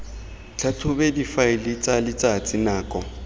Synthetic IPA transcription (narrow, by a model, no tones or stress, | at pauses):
t͡ɬʰatʰʊbedifaɪlɪt͡sʼalɪt͡sʼat͡sʼɪnaːkʼɔ